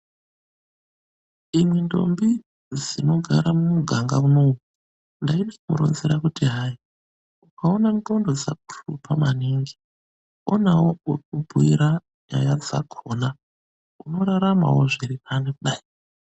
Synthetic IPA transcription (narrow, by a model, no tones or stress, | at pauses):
imwendo̞mbi | d͡zino̞ɡʱaɾamumuɡʱaŋɡauno̞wu | ndainekumṵɾo̰nzeɾakutiɦai | ukaonanto̞ndo̞d͡za̰k̚u̥rupamaniːŋɡi | onawok̚ubʱuḭɾa | ja̰jad͡za̰ɡʰʱona | uno̞ɾaɾama̰wo̞ʐiɾipʰanekuɗai